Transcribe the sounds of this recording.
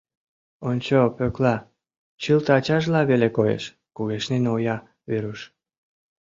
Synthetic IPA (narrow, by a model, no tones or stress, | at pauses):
onʲt͡ɕopøklɑ | t͡ɕɨlt̪ɑt͡ɕɑʒlɑβelekojḛʃ | kuɣeʃnenojɑ | βeɾuʃ